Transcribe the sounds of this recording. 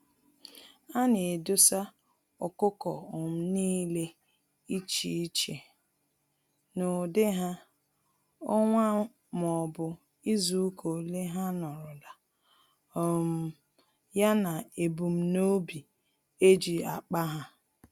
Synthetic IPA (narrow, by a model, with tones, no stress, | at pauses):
a˦ne˨dʊ˦sa˦ | ʊ˨kʊ˦kɔ˨ʊ˨m̩˦niː˦le˦ | i˦t͡ʃi˦i˦t͡ʃe˨ | no˨dɪ˦ɦa˦ | ʊ˦ŋʷa˦ | m˨ɔ˨bʊ˨ | i˦zu˨˦kʰo˨le˦ɦa˦nɔ˨ɾʊ˨da˨ | ɔ˦m̩˦ | ja˦na˨e˨bu˨m̩˦no˦bi˨ | e˦d͡ʒi˨a̰˨k͡pa˦ɦa˦